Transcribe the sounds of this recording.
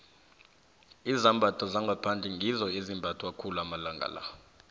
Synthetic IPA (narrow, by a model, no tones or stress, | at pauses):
izambʱatʰɔzaŋɡʱapʰand͡ɮʱiŋɡʱizɔizimbʱatʰwakʰuluamalaŋɡʱa̰la̰